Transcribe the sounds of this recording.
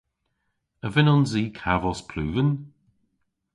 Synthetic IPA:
əvɪnɔnziːkʰavɔspʰluːvən

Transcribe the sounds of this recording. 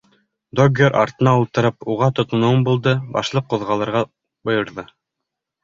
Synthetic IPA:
d̪oɡeɾʔɑ̰ɾt̪ɤ̆nɑulˠt̪ɤ̆ɾɤpuʁɑt̪ŏt̪ɤ̆nuwɤmbulˠd̪ɤbɑ̰ʃlˠɤqːŏðʁɑlˠɤ̆ɾʁɑ | bɤ̆jɤ̆ɾðɤ

